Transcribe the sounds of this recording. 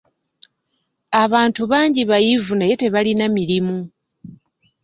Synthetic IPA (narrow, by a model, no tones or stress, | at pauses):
aβaːntuβaːɲɟiβajivunajete̞βalinamiɾimu